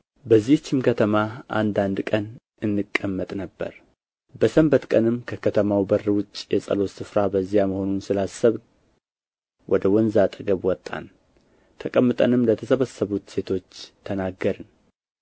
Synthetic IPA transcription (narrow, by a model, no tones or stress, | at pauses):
bəzːiht͡ʃːɪmkʰət̪ʰəmaʔa̰nd̪and̪kʼən | ʔɨnːɨkʼːəmːət̪ʼnəbːə̰ɾ | bəsəmbət̪kʼənɨmkʰəkʰət̪ʰəmawbərːɨwʊt͡ʃʼjɛsʼə̰lo̞sɨfɾabəzːijaməho̞nunsɨlasəβn | wʔɔd̪əwɔnzat̪ʼəɡəβwɔt̪ʼːa̰n | t̪ʰəkʼəmːɨt̪ʼənɨmlət̪ʰəsəβəsːəβut̪se̞t̪ʰo̞t͡ʃːt̪ʰənaɡːəɾɨn